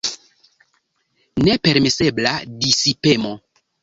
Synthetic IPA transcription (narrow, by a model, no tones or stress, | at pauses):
ne̞pe̞ɾmese̞bladisipe̞mo